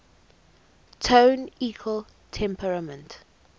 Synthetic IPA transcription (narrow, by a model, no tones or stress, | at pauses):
tʰõʊniːkʰwəl | tʰɛ̃mpʰəɹamə̃nt